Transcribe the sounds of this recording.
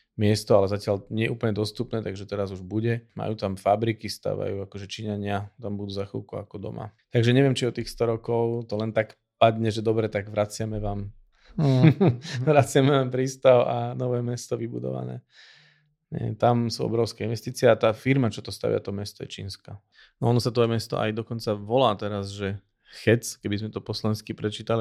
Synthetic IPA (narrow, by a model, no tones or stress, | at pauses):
mɪɛst̪ɔalɛzacɪalɲɛjɛʔuːpl̩ɲɛd̪ɔst̪upnɛːt̪aɡʒɛt̪ɛɾazuʒbuɟɛma̰juːt̪amfabɾikist̪a̰ːʋa̰juakɔʒɛt͡ʃiɲaɲɪat̪ambud̪uːzaxḭlkuakɔd̪ɔ̰ma̰t̪aɡʒɛɲɛʋɪɛmt͡ʃiɔt̪iːxst̪ɔɾɔkɔʊt̪ɔlɛnt̪ak | pad̪ɲɛʒɛd̪ɔbɾɛt̪aɡʋɾat͡sɪamɛʋaːm | ʋɾat͡sɪamɛʋaːmpɾiːst̪aʊanɔʋɛːmɛst̪ɔʋibud̪ɔ̰ʋa̰nɛ̰ː | ɲɛ̰t̪amsuɔ̰bɾɔʊskɛinʋɛst̪iːt͡siɪɛat̪aːfiɾmat͡ʃɔt̪ɔst̪a̰ʋɪa̰t̪ɔmɛst̪ɔjɛt͡ʃḭːnska | nɔɔnɔsat̪ɔjɛmɛst̪ɔ̰ʔa̰jd̪ɔkɔnt͡saʋɔlaːt̪ɛɾazʒɛ | xɛt͡skɛbizmɛt̪ɔpɔslɔɛnskipɾɛt͡ʃiːt̪ali